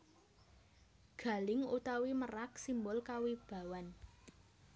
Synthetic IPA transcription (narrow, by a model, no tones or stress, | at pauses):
ɡ̥a̤lɪŋot̪awimərak̚simbʊlkawib̥ä̤wan